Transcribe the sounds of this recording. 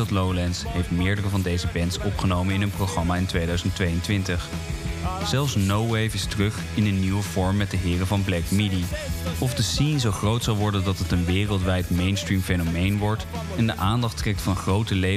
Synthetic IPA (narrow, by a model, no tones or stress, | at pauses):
tlowlɛnsɦejftmɪːɹdərəvɑndejzəbɛntsɔpχənowmənɪnɦɵnproχrɑmaːɪntʋejdœɥzəntʋejəntʋɪntəχ | z̥ɛlˠfsnowwejfɪstərɵχ | ɪnənːiwəv̥ɔɹmːɛt̚dəɦɪːrəvɑnblɛkmidiɔfdəsinzowχrowtsɑlˠʋɔɹdəndɑtɦətənʋɪːrəlˠtʋɛjtmejnstrimfenomejnʋɔɹt | ɛndəʔaːndɑχtrɛk̚tfɑnχrowtəle